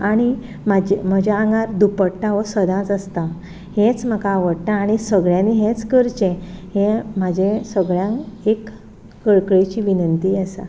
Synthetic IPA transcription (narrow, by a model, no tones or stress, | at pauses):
aɽ̃i | mad͡ʑem̤əd͡ʑaaŋɡaɾd̪upəɽʈːaʋəsəd̪ãt͡səst̪a | hẽt͡sm̤əkaːʋəɽʈ̪ãːɽ̃isəɡɭjãniɦẽt͡skəɾt͡ɕẽhẽmad͡ʑẽsəɡɭjãŋkekː | əɭkɭet͡ɕiʋinənt̪iəsa̰